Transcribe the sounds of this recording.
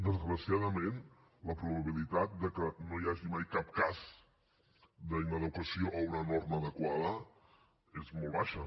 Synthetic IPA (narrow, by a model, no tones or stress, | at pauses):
d̪əzɣɾəsjaðəmen | ləpɾuβ̞əβ̞ilit̪at̪̚d̪əkənoiaʒimajkap̚kaz | d̪əinəðəkwəsioʔəunənorməðəkwaðə | ezmolˠβaʃə